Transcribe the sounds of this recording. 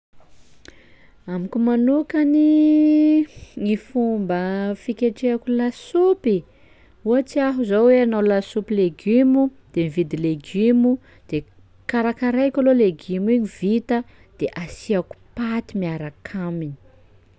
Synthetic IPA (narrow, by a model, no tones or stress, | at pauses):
amikʲumanukani | ŋifumbəfikʲeʈ͡ʂeakulasupi | uat͡siaɦuzawweanawlasupileɡymud̪̥emivid̪ileɡymu | d̪̥e | kaɾakaɾajkʲaloleɡimiɲivit̪ə | d̪̥eʔasiaku̥pat̪imiaɾakʰamini̥